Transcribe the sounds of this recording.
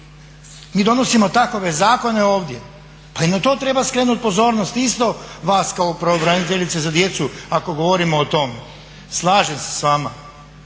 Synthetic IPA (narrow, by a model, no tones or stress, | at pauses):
miːd̪o̞no̞simo̞t̪ako̞ʋe̞zaːko̞ne̞oːʋd̪je | painat̪o̞ːt̪ɾe̞ːbaskɾeːnut̪̚po̞zo̞ːɾnost̪ist̪o̞ʋaːskaopɾeobɾanit̪eʎit̪sezad̪je̞t̪suako̞ɡo̞ʋoɾimoːt̪o̞me | slˠaːʒemse̥sʋaːma